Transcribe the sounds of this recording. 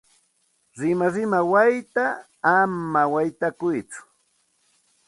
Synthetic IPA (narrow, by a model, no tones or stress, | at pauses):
ɾɪmaɾɪmawajt̪aː | mawajt̪akʊjt͡sʊ̥